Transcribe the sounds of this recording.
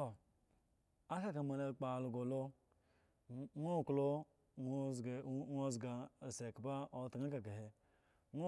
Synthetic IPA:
o˨ | a˦ka˦ka˨ma˨la˨k͡pa˨lu˨ɡo˨lo˦ | ŋʷo˦˨klo˦˨ | ŋo˦zɡa˨se˨ka˨ba˦o˨˦tŋa˦ka˨ɡa˨ɦe˨ | ŋʷo˦

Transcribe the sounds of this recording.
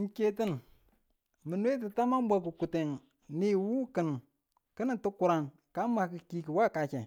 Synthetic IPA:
ŋke˦ti˦n | mə˨nwe˦t̬i˨ta˦ma˦ŋ˦ba˨ku˨ku˨te˨ŋ | ni˨wu˦kə˨n | kə˦nə˨tu˦ku˨ɾa˨n | ka˦ma˨˦ki˨ki˦ki˨wa˦ka˨t͡ʃe˨

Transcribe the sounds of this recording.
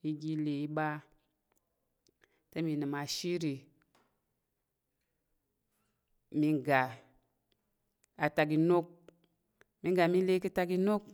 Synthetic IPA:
i˦ɡi˦le˨i˦ɓa˦ | te˦mi˨nɨ˨ma˨ʃi˦ɾi˨ | mi˧ŋɡa˨ | a˨ta˨k̬i˨no˦k̚ | mi˦ɡa˨mi˦le˦k̬i˦ta˧ki˦no˦k̚

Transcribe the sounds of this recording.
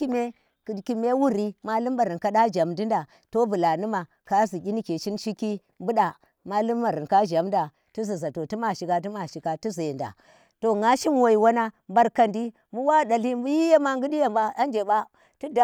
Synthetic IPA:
i˦me˦ | kki˨me˦wu˦ɾi˦ma˦lu˦mba˨ɾi˨nka˦ɗa˦d͡ʒa˨mdi˦nda˨ | to˦bu˨la˨nu˦ma˨ | ka˦zi˨kʲi˦ni˦ke˨ʃi˦nʃi˦ki˦ | mbu˦ɗa˨ | ma˦lu˦mːa˨ɾi˨nka˦d͡ʒa˨mda˨ | ti˦zi˨za˨to˨ti˦ma˨ʃi˨˦ka˦t̬i˦ma˨ʃi˨ka˨tu˦za˨nda̰˨ | to˨ŋa˦ʃi˦m˦wo˨i˨wa˦na˦mba˨ɾka˨ndi˦ | mu˦wa˦˨da˨li˦mbu˦ji˦je˦ma˦ŋɡu˦di˦ja˨mba˦a˦nd͡ʒe˨ba˦ | tu˦da˦

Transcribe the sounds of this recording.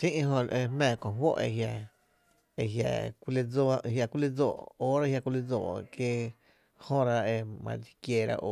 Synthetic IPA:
sĩ˦ʔɦõ˧e˧hmɛ̃ː˧˨kõ˨ɦwo̰˦ʔḛ˧˨ɦja˧ | e˧ɦja̰˧˨kʷi˧le˧d͡zo˦˧hja˧˨kʷu˦le˦d͡zoː˧˨ʔoː˦ɾa˦hja˧kʷi˧le˧d͡zo̰ː˧˨kje˧ | hõ˦ɾa˧e˧mã̰˧di̥˧kje˧ɾa̰˧ʔo˧˨

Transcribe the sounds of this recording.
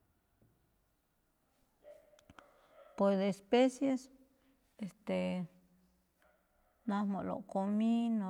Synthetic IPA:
pwe˧sd̪espe˦sje˧s | e˧st̪e˨ | na˧mo˨ʔlo̰˨ko˧mi˦no

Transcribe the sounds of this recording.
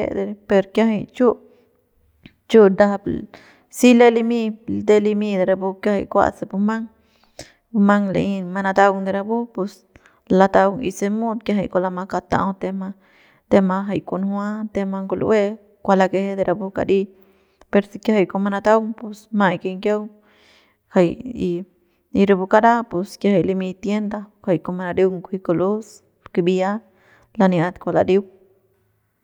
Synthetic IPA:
ḛ˧d̪e˧pe˧ɾkja˦ɦa˧jt͡ʃu˦ | t͡ʃu˦d̪a˧b | si˦le˦li˧mi˧d̪e˧li˧mi˧d̪e˧ɾa˧bu˧kja˦ha̰˧jkʷa̰˧t͡se˧pu˧ma˦ŋ | pu˧ma˦ŋlḛ˧i˧ma˧na˧t̪a˦wŋd̪e˧ɾa˧bu˦pu˧s | la˧t̪a˧wŋḭ˧se˧mu˦d̪̚kja˦ɦa˧jko˧la˧ma˧ka˧t̪a̰˧wt̪e˧ma˧ | t̪e˧ma˧ɦa˧jko˧nhwa˦t̪e˧ma˧ŋɡo˧lʔwe˦ | kʷa˧la˧ke˧he˦d̪e˧ɾa˧bu˧ka̰˧ɾi˦ | pe˧ɾsi˧kja˦ha˧jko˧ma˧na˧t̪a˦wŋpo˧sma˧˨jke˧ŋkʲja˦w | ha˨ji˧ | i˧ɾa˧bu˧ka˧ɾa˦po˧skja˧ha˨jli˧mi˧t̪je˦nd̪a˧kha˧jko˧ma˧na˧ɾi˧wŋkʷi˧ko˧lu˦s | ke˧bi˧ja˦ | la˧nja˧d̪kʷa˧la̰˨ɾi˦w

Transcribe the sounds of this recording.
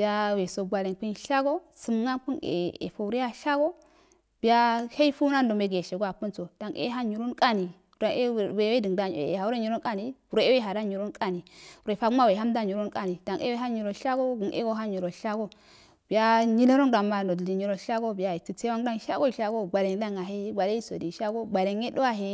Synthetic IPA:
bi˨ja˦we˨so˨ɡʷa˨le˨ŋki˦nʃa˦ɡo˦ | su˦m˦ŋa˦npu˦nḛ˨ḛ˨fo˨u˨ɾi˦a˦ʃa˦ɡo˦ | bi˨ja˦he˦i˦fu˦na˦n˦do˨me˨ɡe˨ʃe˨ɡo˦a˨pu˦nso˨d̥a˨ŋḛ˦ɦa˦ɲi˨ɾu˦nkʼa˦ni˨ | a˨˦˨we˨we˦di˨ŋda˨ḛ˨ḛ˨a˨wu˦ɾe˦ɲi˨ɾo˦nkʼa˦ni˦u˨ɾo˦e˦we˦ɦa˨da˦ɲi˨ɾo˦nkʼa˦ni˨o˨fa˦ɡma˦we˨ɦa˦mda˦ɲu˨ɾu˦nkʼa˦ni˨da˨ŋʔḛ˦we˦ɦa˦ɲi˨ɾo˨ʃa˦ɡo˦ɡu˨nʔḛ˦ɡo˦ɦa˦ɲi˨ɾo˨ʃa˦ɡo˦ | b̥i˨ja˦ɲi˦lo˦ɾo˦ŋda˨ma˨ndo˨di˨ɲi˨ɾo˨ʃa˦ɡo˦bi˨ja˨i˨ti˨se˦a˦ŋda˦ŋʃa̰˦ɡo˦i˨ʃa˦ɡo˦ɡ͡ba˨le˨ŋ˦da˦ŋa˨ɦe˦ɡa˨le˦i˦so̰˨di˨ʃa˦ɡo˦ɡ͡ba˨le˨ŋe˦do˦wa˦ɦe˦

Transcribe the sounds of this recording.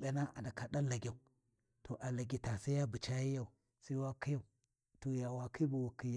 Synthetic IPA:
be˨na˦ʔa̰˨da˨ka˨da˦la˨ɡʲa˨u˨ | to˨ʔa˨la˨ɡʲi˨ta˨sa˦ja˦bə˨t͡ʃa˦ji˦ja˦u˨ | sa˦i˦wa˦ki˦ja˦˨u˨ | to˨ja˨wa˨kʰi˦bu˨wu˨kːi˨j

